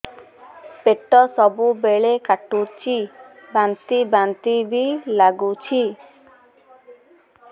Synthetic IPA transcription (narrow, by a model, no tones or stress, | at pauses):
peʈːɔsɔbubeɭekaʈut͡ʃʰi | bant̪ibant̪ibilaɡut͡ʃʰi